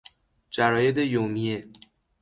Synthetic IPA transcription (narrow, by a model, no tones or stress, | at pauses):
d͡ʒæɾɒːjed̪ejomie